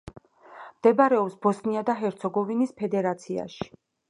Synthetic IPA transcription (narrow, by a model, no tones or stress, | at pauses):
md̪̥ɛbaɾɛɔpsbɔsniad̪aɦɛɾt̪sʰɔɡɔvinispʰɛd̪ɛɾat̪sʰia̰ʃi̥